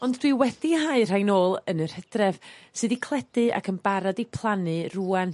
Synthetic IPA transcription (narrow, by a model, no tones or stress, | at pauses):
ɔndd̥wiwɛθiɦaɨr̥ajnoːlˠənər̥hɛd̥rɛv̥sɨːðikʰlˠɛd̥ɨa̰kʰənbaɾadipʰlˠanɨruːan